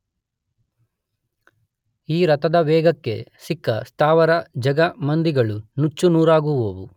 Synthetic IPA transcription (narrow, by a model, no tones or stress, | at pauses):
iːɾɐt̪ɐd̪ɐʋɛːɡɐkːe̞̰sikːɐst̪ʰaːʋɐɾɐd͡ʒɐɡɐmɐnd̪iɡɐɭunut͡ʃːunuːɾaːɡuʋoːʋu